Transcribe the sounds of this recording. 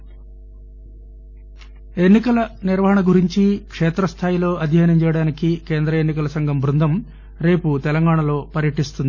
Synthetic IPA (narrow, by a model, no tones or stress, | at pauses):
e̞nːikɐlɐniɾʋɐɦɐɳɐɡuɾiɲt͡ʃikʂeːt̪ɾɐst̪ʰaːjilo̞ːɐd̪ʱjaːnɐmt͡ʃɛːjɐɽaːnikikeːnd̪ɾɐenːikɐlɐsɐŋɡʱɐmbʱɾund̪ʱɐm | ɾe̞ːput̪ɛlɐŋɡaːɳɐlo̞ːpɐɾjɐʈist̪und̪i